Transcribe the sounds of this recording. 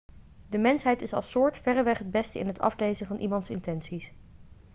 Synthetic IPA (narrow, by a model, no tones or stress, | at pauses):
dəmɛnsɦɛjtɪsɑ̰lˠsʊːɹtfɛrəʋɛχɦəd̚bɛstəɪ̰nɦətʰɑ̰flejzənvɑnʔimɑntsɪ̰ntɛnsis